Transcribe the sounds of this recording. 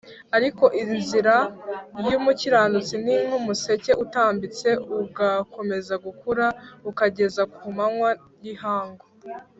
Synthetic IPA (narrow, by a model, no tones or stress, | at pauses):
aɾiko̞ʔinziɾajumuciɾaːndut͡siniŋ̥humuse̞ce̞ʔutaːmbit͡se̞uɡako̞me̞zaɡukuɾaukaɟe̞zakuumaŋwa | jihaːŋɡo